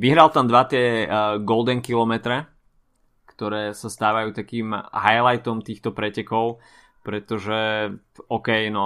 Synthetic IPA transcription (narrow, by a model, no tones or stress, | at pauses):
ʋiɦɾalt̪amd̪ʋat̪ɪɛɡɔld̪ɛŋkilɔmɛt̪ɾɛ | kt̪ɔɾɛːsast̪aːʋajuːt̪akiːmɦajlajt̪ɔmt̪iːxt̪ɔpɾɛcɛkɔʊ | pɾɛt̪ɔʒɛ | ɔkɛjnɔ